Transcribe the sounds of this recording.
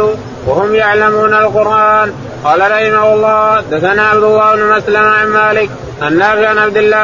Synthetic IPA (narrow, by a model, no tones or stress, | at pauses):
ʊ | wahʊmjaʕlamuːnalqʊɾʔaːn | qɑːlaɾˤɑħɪmahʊlˤːɑːd̪aθanaːʕabd̪ʊlːaːɪbnʊmaslamaʕanmaːlɪk̚ | ʔanːaːfɪʔanʕabd̪ɪlːaː